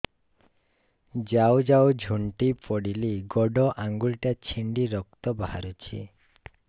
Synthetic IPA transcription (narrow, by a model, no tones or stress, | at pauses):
d͡ʒawd͡ʒawd͡ʒʱuɳʈipɔɽiliɡɔɖɔʔaŋɡulʈat͡ʃʰiɳɖiɾɔk̚t̪ɔbaa̰ɾut͡ʃʰḭ